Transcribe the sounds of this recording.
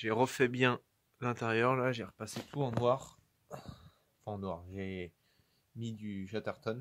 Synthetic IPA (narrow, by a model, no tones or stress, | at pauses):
ʒeʁəfɛbjɛ̃ | lɛ̃t̪ɛʁjœʁlaʒeʁpaset̪ʰuɑ̃nwaːʁ | fɛ̃ɑ̃nwaʁʒe | mid̪yʃat̪aʁt̪ɔn